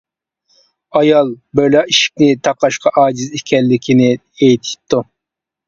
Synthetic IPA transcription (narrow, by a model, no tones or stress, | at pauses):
ɑjɑlˠbølɑiʃi̥p̚nɪt̪ʰɑqɑʃqʰɑʔɑːd͡ʒizikʲʰɛlːɪkʲʰinɪ | ejt̪ʰɪ̥p̚t̪ːu